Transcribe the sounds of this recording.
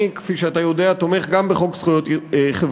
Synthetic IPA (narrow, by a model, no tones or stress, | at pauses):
ikfiʃeat̪ajo̞d̪eat̪ome̞χɡambeχo̞ksχujot̪χev